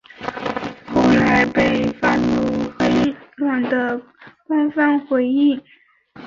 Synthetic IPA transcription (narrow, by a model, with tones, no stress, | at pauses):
xo˥˩ʊla˧˥ɪpe˥˧ɪfa˥˧nlu˥˩fe˥ɪlwa˨˩nd̪ə˦ | kwa˥nfa˥˩nxwe˧˥ɪi˥˩